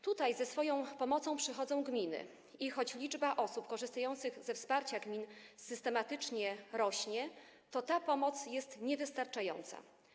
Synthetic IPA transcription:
t̪ut̪ajzɛsfɔjɔ̃w̃pɔmɔt̪sɔ̃w̃pʂɘxɔd̪zɔ̃w̃ɡmʲinɘ̰ | ixɔt͡ɕlʲid͡ʐbaʔɔsupkɔʐɘst̪ajɔnt̪sɘɣzɛfspaɾt͡ɕaɡmʲinsɘst̪ɛmat̪ɘt͡ʂɲɛɾɔɕɲɛ | t̪ɔt̪apɔmɔt̪sjɛst̪ɲɛvɘst̪aɾt͡ʂajɔ̰nt̪sa̰

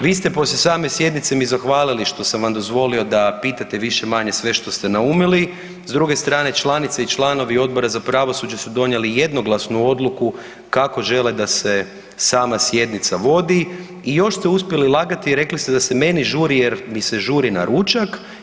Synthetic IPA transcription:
ʋiːst̪e̞po̞slʲesaːme̞sje̞d̪nit̪se̞mizaxʋaːliliʃt̪o̞samʋamd̪ozʋo̞lio̞d̪apiːt̪at̪eʋiʃe̞maɲe̞sʋe̞ʃt̪o̞st̪e̞naumili | zd̪ɾuɡe̞st̪ɾaːne̞t͡ʃlˠanit̪seit͡ʃlˠaːno̞ʋio̞d̪̚bo̞ɾazapɾaʋo̞sud͡ʒesud̪o̞nje̞lijed̪no̞ɡlˠasnuo̞d̪luku | kako̞ʒe̞led̪ase | saːmasje̞d̪nit̪saʋo̞d̪i | ijo̞ʃst̪euspʲje̞lilˠaɡat̪iːɾe̞klist̪ed̪ase̞me̞niʒuːɾijeɾmise̞ʒuːɾina̰ɾut͡ʃak

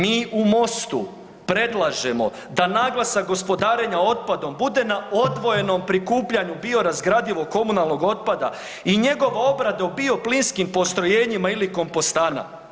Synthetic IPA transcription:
miːumo̞st̪u | pɾe̞d̪lˠaʒe̞mo̞̰ | d̪anaːɡlˠasaɡo̞spo̞d̪aːɾe̞ɲao̞t̪̚pad̪o̞mbud̪e̞nao̞d̪ʋo̞je̞no̞mpɾikuːpʎaɲubio̞ɾazɡɾad̪iʋo̞kːo̞munalˠno̞ɡo̞t̪̚pad̪a̰ | iɲe̞ɡo̞ʋao̞bɾad̪aobio̞plinskimpo̞st̪ɾo̞je̞ːɲimailiko̞mpost̪aːna̰

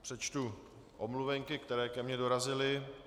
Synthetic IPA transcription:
pr̝̥ɛt͡ʃt̪u | ʔomluvɛŋkɪkt̪ɛɾɛːkɛmɲɛdo̞ɾazɪlɪ

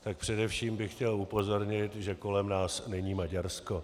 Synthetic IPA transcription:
t̪ak̚pr̝̥ɛdɛfʃiːmbɪxcɛlupo̞zo̞ɾɲɪt̪ʒɛko̞lɛmnaːsnɛɲiːmaɟaɾsko

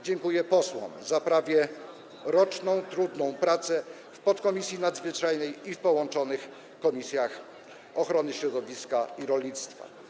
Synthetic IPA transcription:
d͡ʑɛŋkujɛpɔswɔ̰mzapɾavʲjɛ | ɾɔt͡ʂnɔ̃w̃t̪ɾud̪nɔ̃w̃pɾat̪sɛ | fpɔt̪kɔmʲisʲjinad̪zvɘt͡ʂajnɛjifpɔwɔnt͡ʂɔnɘx | kɔmʲisʲjax | ɔxɾɔnɘɕɾɔd̪ɔvʲiskaiɾɔlʲɲit̪st̪fa̰

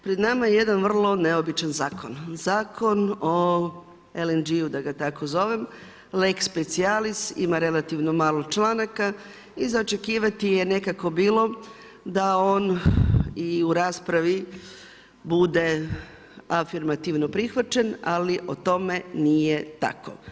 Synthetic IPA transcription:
pɾed̪namajeje̞d̪anʋr̩lˠo̞ne̞o̞bit͡ʃanzaːko̞nzaːkʰo̞no | elend͡ʒiud̪aɡat̪ako̞zo̞ʋem | lekspe̞t̪sialist̪ḭmaɾe̞lat̪iʋno̞maːlˠo̞t͡ʃlˠaːnaka | izaot͡ʃe̞kiːʋat̪ije̞ne̞kako̞biːlˠo̞ | d̪ao̞ːn | iuɾaːspɾaʋi | bud̪e̞ | afiɾmat̪iʋno̞pɾixʋat͡ʃenaliʔot̪o̞me̞nije̞t̪a̰ko̰

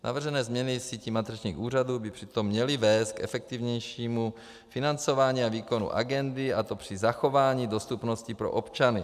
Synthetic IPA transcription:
nʔa̰vr̩ʒɛnɛːzmɲɛnɪsiːciːmat̪ɛt͡ʃɲiːxuːr̝aduːbɪpr̝̥ɪt̪o̞mːɲɛlɪvɛːst̪̚kɛ̰fɛk̚t̪ivɲɛjʃiːmu | fɪnant͡so̞vaːɲiːaviːko̞nṵʔa̰ɡɛndɪʔat̪o̞pr̝̥ɪzaxo̞vaːɲiːdo̞st̪upno̞scipɾo̰ʔopt͡ʃanɪ

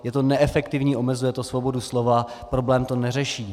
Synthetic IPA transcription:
jɛt̪o̞nɛʔɛfɛkt̪ɪvɲiːʔo̞mɛzujɛt̪osvo̞bo̞duslo̞va | pɾo̞blɛːmt̪o̞nɛr̝ɛʃiː

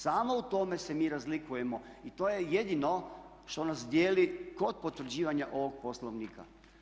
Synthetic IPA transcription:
saːmo̞ut̪o̞me̞se̞miːɾazlikuje̞mo̞it̪o̞ːjeje̞d̪ino̞ | ʃt̪o̞nasd̪jeːliko̞d̪̚po̞t̪ʋɾ̩d͡ʑiːʋaɲaʔo̞ʋo̞ɡ̚posloʋniːka̰

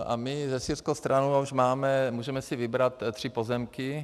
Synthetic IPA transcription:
ʔa̰mɪzɛsirskowst̪ɾanuuʃmaːmɛmuːʒɛmɛsɪvɪbɾat̪t̪ːr̝̥ɪpozɛmkɪ

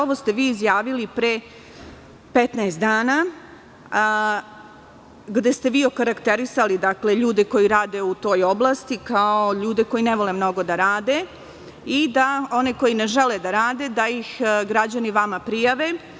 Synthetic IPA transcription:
oʋo̞st̪eʋiːzjaːʋilipɾe | pet̪naesd̪aːna | ɡd̪e̞st̪e̞ʋiːo̞kaɾakt̪e̞ɾisalid̪akle̞ʎuːd̪e̞ko̞jiɾaːd̪e̞ut̪o̞ːjo̞blˠast̪ikaoʎuːd̪e̞ko̞jineʋo̞lemno̞ɡo̞d̪aɾaːd̪e̞ | id̪ao̞neko̞jine̞ʒe̞led̪aɾaːd̪ed̪aixɡɾad͡ʑaniʋamapɾijaʋe̞

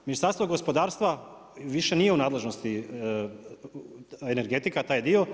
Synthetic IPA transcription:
minist̪aɾst̪ʋoɡo̞spo̞d̪aːɾst̪ʋa | ʋiʃe̞nije̞unaːd̪lˠe̞ʒno̞st̪i | ene̞ɾɡe̞t̪ikat̪aːjd̪io̞

